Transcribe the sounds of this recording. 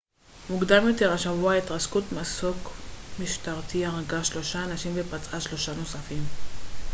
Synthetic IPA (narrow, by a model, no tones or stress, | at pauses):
muɡdamjo̞te̞ʁaʃavuaitʁaskutmasokmiʃtaʁt̪iaʁaɡaʃlo̞ʃaːnaʃimvepat͡saʃlo̞ʃano̞safim